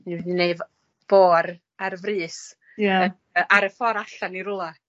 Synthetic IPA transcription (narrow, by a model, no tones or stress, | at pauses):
nidineɨv | b̥oːɾ | aɾvrɨːs | jaə | əʔaɾəfɔɾaɬaniɾʊlˠa